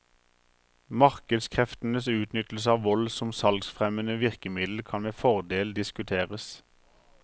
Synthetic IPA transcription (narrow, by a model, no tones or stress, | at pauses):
mɑʁkəd̪skʰʁɛft̪n̩əsʉːt̪nʏt̪l̩səɑːʋʋɔlsɔmsɑlɡsfʁɛmənəʋɪʁkəmɪd̪l̩kʰɑnmeːfɔʁd̪eːld̪ɪskʉt̪ʰeːʁəs